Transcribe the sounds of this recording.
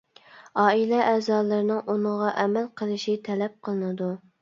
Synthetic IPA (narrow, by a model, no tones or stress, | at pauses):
ɑːilɛʔɛːzɑːlˠɨɾɨnɨŋunɨʁɑʔɛmɛlqʰəlˠɨʃit̪ʰɛlɛp̚qʰəlˠɨnɨd̪u